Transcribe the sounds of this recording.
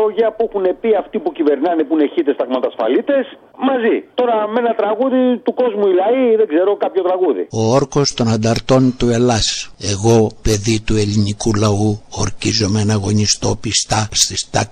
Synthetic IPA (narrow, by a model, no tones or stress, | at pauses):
oʝɐpuixune̞piɐft̪ipucive̞ɾnɐnepune̞çit̪est̪ɐɣmɐt̪ɐsfɐ̰lit̪e̞s | mɐzit̪o̞ɾɐme̞nɐt̪ɾɐɣuðit̪uko̞zmuilɐiðeɡze̞ɾo̞kɐpço̞t̪ɾɐɣuðḭo̞oɾko̞st̪o̞nɐnd̪ɐɾt̪o̞nt̪ue̞lɐse̞ɣo̞pe̞ðit̪ue̞linikulɐuoɾcizo̞menɐɣo̞ɲist̪o̞pist̪ɐst̪ist̪ɐ